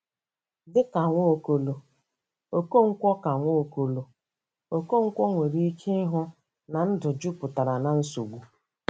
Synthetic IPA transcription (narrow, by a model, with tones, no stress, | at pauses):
dɪ˦ka˨ŋʷo˦˨ko˨lo˨ | o˨ko˦ŋ̩˦kʷɔ˦ka˨ŋʷo˦˨ko˨lo˨ | o˨ko˦ŋ̩˦kʷɔ˦ŋʷe˨ɾi˦i˦ke˦ɦʊ˦ | na˨n̩˦dʊ˨d͡ʒu˦pʊ˨ta˨ɾa˨na˨n̩˦su˨ɡʷu˨